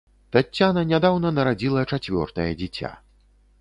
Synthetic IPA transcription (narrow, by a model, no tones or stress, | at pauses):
t̪atʲːanɐnʲad̪awnɐnɐɾad͡zʲilˠɐt͡ʂat͡sʲvʲɔ̰rt̪ɐjɛd͡zʲit͡sʲa̰